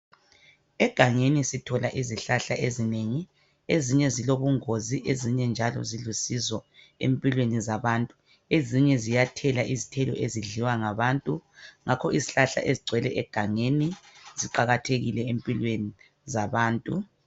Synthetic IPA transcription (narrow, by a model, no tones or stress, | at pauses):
ɛɡ̥ʱaŋenisitʰɔlaʔiziɬaɬaʔezineŋi | eziɲɛziloβuŋoziʔeziɲɛnd͡ʒʱalɔ̰zilusizɔ | ḛmpʼilwenizaβaːntʼu | eziɲɛzijatʰɛlaʔizitʰɛlɔ̰eziɮiwaŋaβaːntʼuŋʔakʰɔiziɬaɬa̰ʔeziɡ͡ǀʱwɛlɛʔɛɡ̥ʱaŋeniz̥iǃaɣatʰeɣilɛempʼilweni | zaβaːntʼu